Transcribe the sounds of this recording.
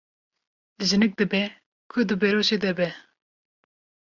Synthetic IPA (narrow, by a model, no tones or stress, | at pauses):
zɨnɨk̚d̪ɨbɛ | kʰʊd̪ɨbɛɾoʃed̪ɛbɛ